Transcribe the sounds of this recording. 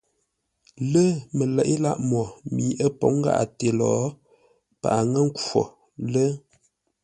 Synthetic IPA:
lə˦mə˨lɛ˨ʔi˦la˦ʔmɔ˨miː˨˦ʔə˦po˨˦ŋ̩˦ɡa̰˦ʔa̰˨te˨lɔ˨˦ | pa̰˨ʔa˨ŋə˦ŋ̩˦kɔ̰˨ | lə˦

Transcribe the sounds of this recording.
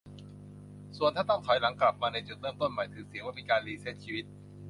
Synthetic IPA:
su˨˩ənt̪ʰaː˥˩t̪ɔ˥˩ŋkʰɔ˨˩˦jla˩˦ŋkla˨˩p̚maː˧na˧jt͡ɕu˨˩t̪̚ɾɤː˥˩˨mt̪o˥˩nma˨˩jt̪ʰɯː˩˦si˩˦waː˥˩miː˧kaː˧nliː˧seː˦˥˩t̪̚t͡ɕʰiː˧wi˦˥t̪̚

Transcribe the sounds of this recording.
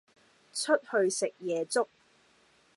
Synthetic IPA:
t͡ʃʰɵ˥t̚hɵ˧ɥsɪ˨k̚jɛː˨˧t͡sʊ˥k̚

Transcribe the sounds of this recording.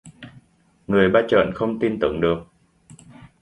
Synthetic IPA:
ŋɨ˨˩əjɓaː˧t͡ɕə̰ː˧˨nxə˧wŋ͡mt̪i˧nt̪ɨ˨˧˩əŋɗɨ˨˩ək̚

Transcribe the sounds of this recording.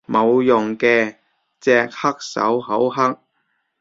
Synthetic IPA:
mo˨˧wjʊ˨˩ŋkɛː˧ | t͡sɛː˧k̚hɐ˥k̚sɐ̰˨˥wɦɐ˨˥wɦɐ˥k̚

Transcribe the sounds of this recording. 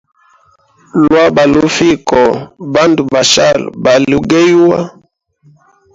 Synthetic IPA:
lwa˦ba˨lu˦fi˦kɔ˨ba˦ndu˨ba˨ʃa̰˦˨lba˨lu˦ɡe˦ju˦wa˦

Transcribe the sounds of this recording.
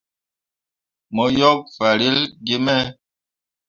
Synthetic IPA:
mɔ˨˦jɔ˦k̚fa˨ɾi˦lɡi˦mɛ˦

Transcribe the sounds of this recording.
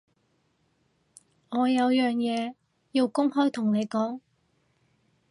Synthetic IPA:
ŋɔː˨˧jɐ˨˧wjœː˨ŋjɛː˨˧ | jiː˧wkʊ˥ŋhɔː˥jt̪ʰʊ˨˩ŋne˨˧jkɔː˨˥ŋ

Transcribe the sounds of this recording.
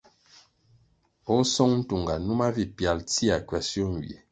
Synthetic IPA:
ɔ˦sɔ˦ŋn̩˦tu˨ŋɡa˨nu˦ma˦vi˦pja˨lti˦a˨kɥɛ˨sjo˦n˨wjḛ˨

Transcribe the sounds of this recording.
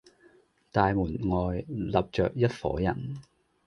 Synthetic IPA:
t̪aː˨jmuː˨˩nŋɔː˨jlɐ˨p̚t͡ʃœ̰ː˨k̚jɐ˥t̚fɔ̰ː˨˥jɐ̰˨˩n

